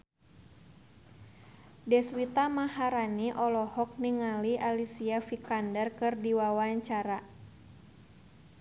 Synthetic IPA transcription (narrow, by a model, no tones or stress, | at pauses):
dɛswit̪amahaɾaniʔɔlɔhɔk̚niŋaliʔalisiafikandərkɨrdiwawaɲt͡ʃaɾa